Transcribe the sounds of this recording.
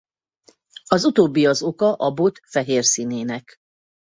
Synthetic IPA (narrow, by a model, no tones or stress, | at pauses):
ɒzut̪oːbːiɒzo̞kɒʔɒbot̪fɛɦeːrsiːneːnɛk